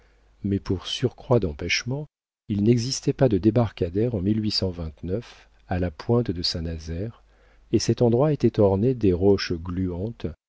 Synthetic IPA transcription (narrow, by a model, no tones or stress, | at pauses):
mɛpuʁsyʁkχwad̪ɑ̃pɛʃmɑ̃ | ilnɛɡzist̪ɛpad̪əd̪ebaʁkad̪ɛʁɑ̃milɥisɑ̃vɛ̃t̪nœf | alapwɛ̃t̪d̪əsɛ̃nazɛʁ | esɛt̪ɑ̃d̪ʁwaet̪ɛt̪ɔʁned̪eʁɔʃɡlyɑ̃t̪